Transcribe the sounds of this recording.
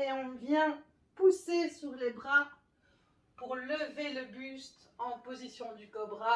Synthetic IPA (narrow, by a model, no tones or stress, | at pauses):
eɔ̃vjɛ̃ | pusesyʁlebʁa | puʁləveləbyst̪ | ɑ̃pozisjɔ̃d̪ykɔbʁa